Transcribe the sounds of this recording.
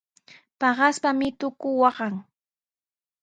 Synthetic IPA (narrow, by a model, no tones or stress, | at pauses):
pɑɢɑspamɪt̪ʊkʊwɑɢɑŋ